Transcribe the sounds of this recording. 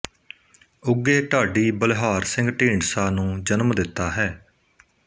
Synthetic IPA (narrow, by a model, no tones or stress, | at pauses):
ʊɡːeːʈaːɖiːbəlɦaːɾsɪ̃ŋɡʈĩːɳsaːnũːd͡ʒənmd̪ɪt̪ːaːɦɛː